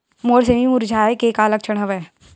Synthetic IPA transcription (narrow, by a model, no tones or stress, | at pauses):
moːɾs̬emimʊɾd͡ʒʱaːekeːkaːlək̚t͡ʃʰəɽ̃ɦɐʋɛː